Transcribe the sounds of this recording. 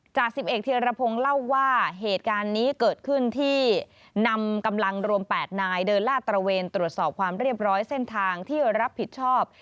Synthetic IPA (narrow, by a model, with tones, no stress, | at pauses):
t͡ɕaː˨˩k̚si˨˩p̚ʔe˨˩t̪̚t̪ʰːi˧ɾa˧pʰo˧ŋla˥˩wːaː˥˩ɦeː˨˩t̪̚kaː˧nːiː˦˥kɤː˨˩t̪̚kʰɯ˥˩nt̪ʰiː˥˩ | na˧mka˧mla˧ŋɾu˧əmpɛː˨˩t̪̚naː˧jdɤː˧nlaː˥˩t̪ɾa˧weː˧nt̪ɾu˨˩ət̪̚sɔː˨˩p̚kʰwaː˧mɾi˥˩əp̚ɾɔː˦˥jse˥˩nt̪ʰaː˧ŋt̪ʰiː˥˩ɾa˦˥pʰːi˨˩t̪̚t͡ɕʰɔː˥˩p̚